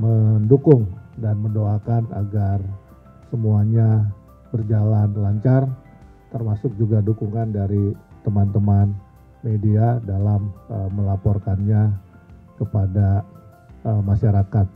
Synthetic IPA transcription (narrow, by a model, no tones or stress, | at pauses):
məndukʊŋdanməndoakana̰ɡar | səmuaɲa | bərd͡ʒalanlaɲt͡ʃar | t̪ərmasʊk̚d͡ʒuɡadukuŋkandaɾit̪əmant̪əman | mediadalaməːəlapɔrkanɲa | kəpada | əmaʃaɾakat̪̚